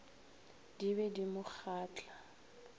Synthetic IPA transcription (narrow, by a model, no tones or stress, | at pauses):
diβɛdimʊk͡xʰaːt͡ɬʼa